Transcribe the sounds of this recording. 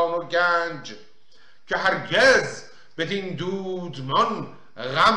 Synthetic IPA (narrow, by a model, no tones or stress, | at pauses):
moɟænd͡ʒ | cʰeɦæɾɟez | b̥ed̪iːnd̪uːd̪mɒn | ɣæm